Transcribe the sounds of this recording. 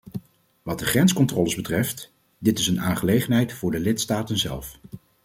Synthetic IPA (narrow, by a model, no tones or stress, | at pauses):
ʋɑt̚dəχrɛnskɔntrɔləzbətrɛft | dɪtɪsənaːnχəlejχənɦɛjtfʊːɹdəlɪtstaːtənzɛ̰lˠf